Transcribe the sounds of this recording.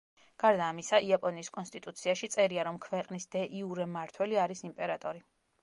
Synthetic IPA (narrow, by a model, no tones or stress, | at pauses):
ɡ̥aɾd̪aːmisaʔiapʼɔniːskʼɔnst̪ʼit̪ʼut̪sʰiaʃit̪sʼɛɾiaɾɔmkʰvɛqʼnisd̪ɛʔiuɾɛmaɾt̪ʰwɛliaɾisimpʼɛɾat̪ʼɔɾi